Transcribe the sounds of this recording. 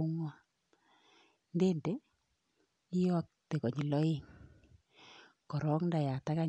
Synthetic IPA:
ŋwa˦ | nde˦nde˦ | i˦jɔ˦k̚te˨kɔ˨ɲi˨lɔ˦e˦˨ŋ | kɔ˨ɾɔ˦knda˨ja˨ta˦ka˦

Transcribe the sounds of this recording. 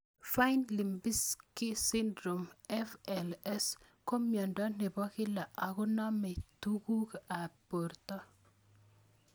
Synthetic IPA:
fa˦nli˨mbi˦skɪ˦si˦ndɾo˨mɛ˦fɛlɛ˦s | ko˦mjɔ˨ndwa˦ne˨bɔ˦kɪ˦la˨ʔa˨kʊ˦na˦mɛ˨tu˦ku˦ka˨po˨rt̪ɔ˦

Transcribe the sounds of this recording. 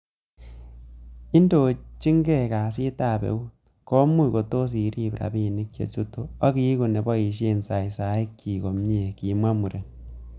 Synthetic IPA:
i˦ndo˨t͡ʃi˦ŋɡɛ˦˨ka˨si˦ta˦˨bḛ˨u˦t | ko˦mu˦ko˨to˦s̬i˨ɾi˦pɾa̰˨bi˦ni˦k̚t͡ʃḛ˨t͡ʃu˦to˦a˦ki˦ku˨nɛ˨bɔ˦i˨ʃe˦nsa˨i˨sa˨˦i˦kːi˨ko˨mɲe˨ki˨mwa˦mu˨ɾe˨n

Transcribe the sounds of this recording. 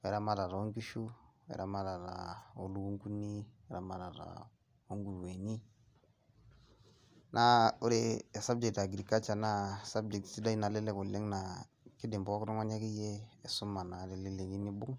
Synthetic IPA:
wɛ˨ɾa˦ma˦ɾa˨ɾa˨o˦ŋki˦ʃu˦wɛ̰˨ɾʔa˨ma˦ɾa˨ɾa̰˨o˨lu˦ku˦ŋku˦ni˦ɛ˦ɾa˨ma˨ɾa˨ɾa̰˨ | o˦ŋɡu˨ɾwe˨ɲi˦ | nʔa˦u˦ɾe˦˨sa˦b̚d͡ʒɛ˨k̚ta˨ɡɾi˨ka˦t͡ʃa˨na˦sa˦b̚d͡ʒɛ˨k̚tti˦da˦i˦na˨lɛ˦lɛ˦ku˨le˦ŋna˨ | ki˦dɪ˨mbɔ˦kɾu˦ŋa˦ɲa˦kɪ˦jɛ˦ɛ˨su˦ma˨na˨lɛ˨lɛ˦le˨li˦ni˦bʊ˦ŋ

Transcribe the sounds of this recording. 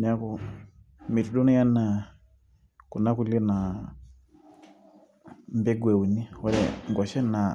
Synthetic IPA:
ɲa˦kɔ˦˨ | mi˨tu˨ɗo˦na˦ja˦na˨ | ku˨na˦ku˦le˦na˨ | mbɛ˦ɡwɛ˨u˨ni˦ɔ˦ɾɛ̰ŋɡwa˨ʃɛ˦na˨

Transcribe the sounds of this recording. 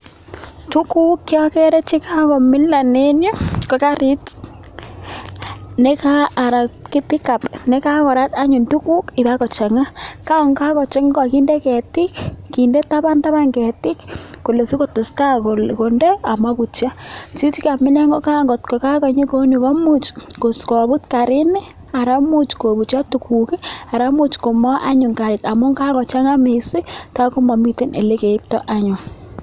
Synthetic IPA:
tu˦ku˦kːjɔ˦kɛ˦ɾe˦t͡ʃi˦ka˦kɔ˨mɪ˦la˨ne˦nja˦ko˨ka˦ɾi˦t | ne˦kaː˦˨ɾa˨ki˦pɪ˦ka˨pnɛ˦ka˦kɔ˨ɾa˦ta˦ɲʊ˨ntu˦ku˦kɪ˨ba˦kɔ˨t͡ʃa˨ŋa˦ka˦o˨ŋka˦kɔ˨t͡ʃe˦ŋa˦ka˨ki˦nde˦kɛ˨tɪ˦kki˨nde˦ta˦ba˦nta˦ba˦ŋɡɛ˨tɪ˦kko˨le˨si˦ko˦˨tʊ˨sta˦ko˨lko˨nde˦a˨ma˦bu˨t͡ʃja˦t͡ʃi˦t͡ʃka˨mɪ˦nɛ˦ŋɡo˦ka˦ŋɡɔ˨tko˨ka˦ka˨ɲe˦ko˦ni˨kɔ˦mu˦t͡ʃko˨skɔ˨bu˦tka˨ɾɪ˦nɪ˦ | a˨ɾa˦mu˦t͡ʃko˨bu˨t͡ʃa˦tu˨ku˨ki˦a˨ɾa˦mu˦t͡ʃko˨mɔ˦ʔa̰˦ɲʊ˨ŋka˨ɾɪ˨ta˨mʊ˦ŋka˦kɔ˨t͡ʃa˦ŋa˦me˨si˦ta˦ko˦ma˨mi˦ti˦ne˨le˦ke˨i˦p̚tɔ̰˦ʔa˦ɲʊ˨ŋ

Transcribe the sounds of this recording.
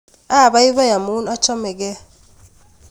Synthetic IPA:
a˦˨ba˦i˦βa˦ja˨mu˦na˦t͡ʃɔ˦mɛ˨kɛ˦

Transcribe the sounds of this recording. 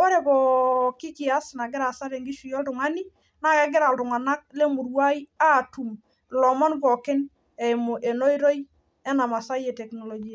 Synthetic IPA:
o˦ɾe˨bɔ˨kɪ˦kɪ˨a˦sna˨ɡɪ˦ɾa˨sa˦ɾe˨ŋɡi˦ʃu˨jɔ˦ltʊ˨ŋa˦ni˦ | na˨ke˨ɡɪ˦ɾa˨ltʊ˨ŋa˨na˦k̚le˦mu˨ɾwa˦ja˦tu˨m | lɔ˨mɔ˦nbɔ˨kɪ˦n | ɛ˨jmo˨ʔe˨no˦jɾo˦j | ɛ˦na˨ma˨sa˦je˨tɛ˨kno˨lɔ˨ɡi˦ja˨

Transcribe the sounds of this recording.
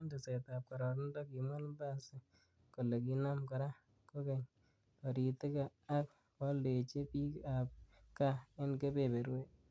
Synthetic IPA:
nde˨sɛ˨tap̚ka˨ɾɔ˨ɾndɔ˦ki˨ma˦lmba˦se˦ | ko˨le˨ki˦na˦mka˨ɾa˦ | ko˦kɛ˨ɲ | ɔ˨ɾi˨te˦kaː˨˦k | ɔ˦le˨t͡ʃe˦pi˦kap̚ka˦e˦nke˦pe˨be˨ɾwe˦

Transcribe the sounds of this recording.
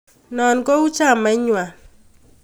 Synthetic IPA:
nɔ˨nkɔ˦u˦t͡ʃa˦˨ma˨˦ɲwa˨

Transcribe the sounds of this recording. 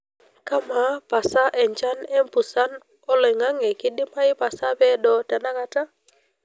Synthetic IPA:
ka˦ma˨pa˨sa˦ʔɛ˨ɲt͡ʃa˦nɛ˦mpu˨sa˦n | ɔ˦lɛ˨ŋa˦ŋɛ˨ki˦di˦ma˦i˦pa˨sa˦pɛ˦dɔ˨ta˨na˦ka˧ta˦

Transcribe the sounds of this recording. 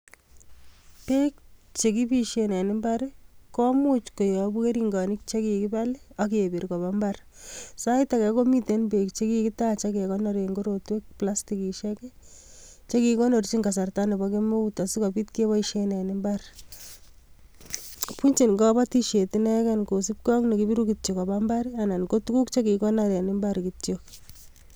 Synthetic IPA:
pe˦k̚t͡ʃe˨ki˦piʃenɛ˨nɪmba˦ɾkɔ˦mut͡ʃko˨jɔ˨bu˦ke˦ɾiŋɡɑ˨nik̚t͡ʃe˦kiki˦ba˦lak̬e˨e˨bi˨ɾkɔ˨ba˦mbar | sa˦ita˨kɛ˨ko˦mi˦te˨nbe˨kt͡ʃe˦ki˦ki˦tat͡ʃa˦ke˨kɔ˦nɔɾe˨ŋɡo˦ɾotwe˦k̚pla˦stiki˨ʃe˦ke˦ | t͡ʃe˦ki˨ko˦no˨ɾt͡ʃi˦ŋka˨sa˨rtane˨bɔkemo˦uta˨si˦kɔbi˦tke˦ba˦iʃenɛ˨nɪmbar | punt͡ʃi˨nkɔba˦tiʃe˨tinɛ˦kanko˨si˦p̚kɔ˦ŋne˨kibi˦ɾukit̚t͡ʃo˨kɔ˨bamba˦ɾiana˨nko˦tu˦ku˦kt͡ʃe˦ki˨kɔ˦naɾe˨nɪ˦mbaɾkitjok

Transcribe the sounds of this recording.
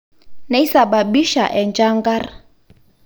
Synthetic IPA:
ne˦i˦sa˨ba˨bi˦ʃa̰˨ʔɛ˨nt͡ʃʼa˦ŋɡaː˦ra

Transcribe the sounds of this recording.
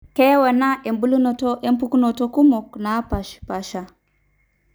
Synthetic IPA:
kɛ˦wa˨na˦ʔe˨mbu˦lu˦nɔ˨tɔ˦ʔe˦mpu˦ku˦no˨to˦ku˦mɔ˨kna˨˦pa˨ʃpa˨ʃa˨

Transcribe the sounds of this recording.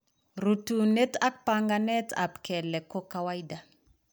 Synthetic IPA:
ɾu˨tu˨ne˦ta˦k̚pa˦ŋɡa˦nɛ˦ta̰˨pkɛ˨lɛ˨ko˦ka˨wa˦ida˨

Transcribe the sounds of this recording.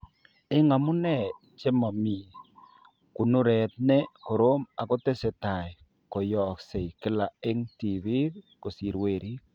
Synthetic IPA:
ɪ˦ŋa˨mʊ˦nɛ˦˨ | t͡ʃe˦ma˨mi˨ | ku˨nu˦ɾɛ˨t̚ne˦ko˨ɾo˦ma˨ko˦te˦se˨ta˨j | ko˨jɔ˨kse˨ikɪ˦la˨e˦ŋti˨βi˦ð | ko˨si˨ɾwe˨ɾi˦

